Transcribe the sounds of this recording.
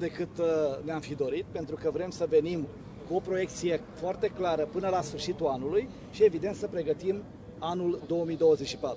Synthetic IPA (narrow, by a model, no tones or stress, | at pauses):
d̪e̞kɨt̪neamfid̪o̞ɾit̪̚pe̞nt̪ɾukəvɾe̞msəve̞nim | kuo̞pɾo̞je̞k̚t̪sije̞foart̪e̞klaɾəpɨnəlasfɨrʃit̪uanuluj | ʃie̞vid̪e̞nt̪səpɾe̞ɡət̪im | anuld̪o̞oəmijd̪owəzet͡ʃʲʃipat̪u